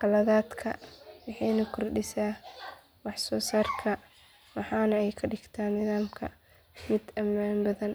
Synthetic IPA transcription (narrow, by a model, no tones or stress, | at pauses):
kɐlɐðaːd̪kʰɐwɑħɑjnɐkʰʊrɖɪsaː | wɑħsɔːsaːrkʰɐ | wɑħɑːnɐɛjkʰɐɖɪɡt̪ʰaːnnɪðaːmkʰɐ̰ | mɪd̪ɐmaːnbɐðɐn